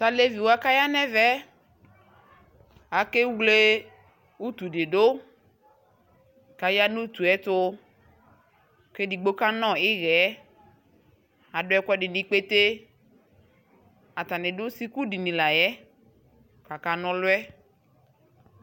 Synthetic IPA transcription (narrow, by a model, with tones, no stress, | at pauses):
sa˦le˦vi˨wa˦ka˦ja˦nɛ˦vɛ˦ | a˨ke˦wle˦ | u˦tu˨de˨do˦ | ka˨ja˦nu˦tu˨ɛ˨˦tʊ˦˨ | ke˦di˨ɡ͡bo˦ka˦nɔ̃˦˨ɪ˦ɣɛ˨˦ | a˨dʊ˦ɛ˦kɛ˦dɪ˨ni˨˦k͡pe˦te˦ | a˨ta˨nɪ˨dʊ˦si˦ku˦di˨nĩ˨la˨jɛ˦ | ka˨ka˨nɔ˦lʊ˦ɛ˦